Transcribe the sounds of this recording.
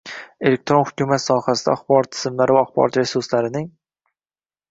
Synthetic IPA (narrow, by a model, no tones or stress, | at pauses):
e̞lek̚t̪ɾo̞nχhʊ̥kʲumat̪sɒːhasɪd̪a̰ːχbɒɒt̪ʰːɪ̥z̥ɪmlaɾɪvaɒχbɒ̰ɾɒt̪ɾesuɾslaɾɪnɪŋ